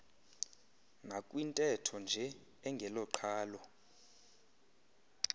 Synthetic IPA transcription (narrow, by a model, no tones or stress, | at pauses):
ŋʱakʼwintʼɛtʰɔnd͡ʒʱɛ | ɛŋɡʱɛlɔǃʰaːlɔ